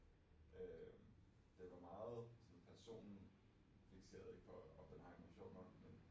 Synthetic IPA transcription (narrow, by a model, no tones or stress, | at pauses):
ø | d̥eʋɑ̈mɑ̈ːð̩ˠsɒ̽npʰæɐso̝̰ːnn̩ | fiɡ̥se̝̰ːɐð̩ˠe̝ɡ̥fʰɒɒd̥enhɑ̈nmæɕo̝̰ːnɒnmen